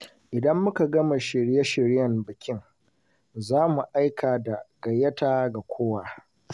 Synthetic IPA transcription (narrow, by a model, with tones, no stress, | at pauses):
ʔɪ˨dɐ˦mːʊ˦ka˨ɡɐ˦ma˨ʃɪ˨ɾja˦ʃɪ˨ɾjɐ˨mbɪ˨kʲɪ˦ŋ | zaː˦mu˨ʔa˦jkʰaː˨da˨ɡ̥ɐ˨jːɐ˦taː˦ɡa˨kʷʰoː˦wa˨